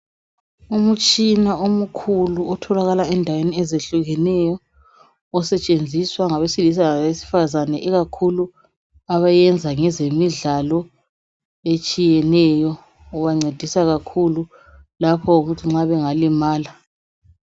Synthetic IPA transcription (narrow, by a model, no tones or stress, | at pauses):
umut͡ʃʼinaomukʰuluɔtʰɔlaɣalaɛndʱaweniɛzeɬuɣɛnɛjɔ | ɔsɛt͡ʃʼend͡zʱiswaŋaβesilis̬aŋaβesi̥fazanɛʔɛɣakʰulu | aβajɛnd͡zʱaŋɛzemiɮalɔ | et͡ʃʼijɛnɛjɔː | βaŋ͡ǀed̥ʱisaɣakʰulu | lapʰɔuɣutʰiŋ͡ǁaβɛŋalimaːla